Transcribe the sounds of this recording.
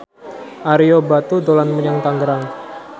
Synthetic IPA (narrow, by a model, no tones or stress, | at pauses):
ʔaɾijobat̪ud̪olanmuɲaŋt̪aŋɡəɾaŋ